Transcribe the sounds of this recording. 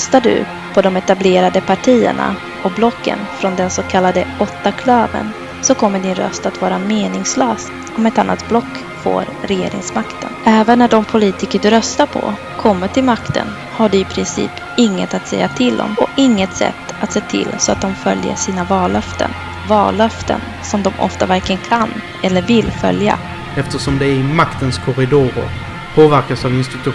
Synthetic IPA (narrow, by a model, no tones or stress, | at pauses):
st̪aɖɵ̰ | pʰɔd̪ɔmɛt̪ableːɾad̪əpʰaʈʰiːə̰ɳa̰ | ɔkblɔkːə̰nfɾɔnd̪ɛnsokʰalːad̪əɔt̪ːakʰløːvə̰n | sɔkʰɔmːəɖɪnɾœ̰st̪at̪vɑːɾameːnɪŋsløːs | ɔmɛt̪anːa̰t̪blɔkː | fo̰ːɾɾɛjeːɾɪ̰ŋsmakt̪ʰə̰nʔɛːvənːæɖɔmpʰʊliːt̪ɪkəɖɵɾœst̪aɾpʰɔ̰ | kʰɔmːəʈʰɪlmakt̪ʰə̰n | haɖɛɪpʰɾɪnsḭːp | ɪŋːət̪at̪sɛjːat̪ʰɪld̪ɔ̰mɔɪŋːət̪sɛ̰t̪ːat̪seːt̪ʰɪ̰lsɔa̰t̪̚d̪ɔmfœljə̰ʂiːnavɑːlːœft̪ə̰n | vɑ̰ːlːœft̪ʰə̰n | sɔmd̪ɔmʔɔ̰ft̪avæɾklənkʰan | ɛlːəɾvɪlːfœ̰lja̰ | ɛft̪əʂɔmd̪ɛæmakt̪ənskʰɔɾɪd̪uːɾə̰ɾ | pʰoːvæɾkasavɪnst̪ɪt̪ɵ